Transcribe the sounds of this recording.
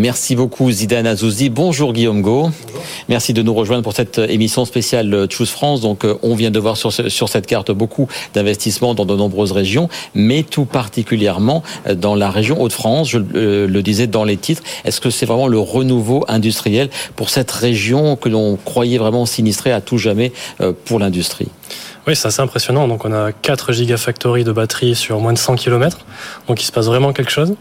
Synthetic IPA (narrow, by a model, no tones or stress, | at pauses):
mɛʁsibokʰuzid̪anazuzibɔ̃ʒuʁɡʲijomɡo | mɛʁsid̪ənuʁəʒwɛ̃d̪ʁpuʁsɛt̪emisjɔ̃spesjalusfχɑ̃sd̪ɔ̃kʔɔ̃vjɛ̃d̪əvwaʁsyʁsyʁsɛt̪kaʁt̪bokʰud̪ɛ̃vɛst̪ismɑ̃d̪ɑ̃d̪ənɔ̃bʁøzʁeʒjɔ̃mɛt̪upaʁt̪ikʲyljɛʁmɑ̃d̪ɑ̃laʁeʒjɔ̃ʔot̪fχɑ̃sʒələd̪izɛd̪ɑ̃let̪it̪χɛ̰skəsɛvʁɛmɑ̃ləʁənuvoʔɛ̃d̪yst̪χijɛlpuʁsɛt̪ʁeʒjɔ̃kəlɔ̃kχwajɛvʁɛmɑ̃sinist̪χeat̪uʒamɛø̰puʁlɛ̃d̪yst̪χḭ | wisɛt̪aseɛ̃pχesjɔnɑ̃d̪ɔ̃kɔ̃nakat̪χəʒiɡafak̚t̪ɔʁid̪əbat̪χisyʁmwɛ̃d̪əsɑ̃kʲʰilɔmɛt̪χd̪̥ɔ̃kisə̥pasvʁɛmɑ̃kʲɛlkə̥ʃoz